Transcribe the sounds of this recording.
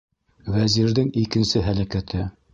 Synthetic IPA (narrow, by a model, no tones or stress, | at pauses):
wæziɾðɘŋikɘ̆nsɘɦælækæt̪ʰɘ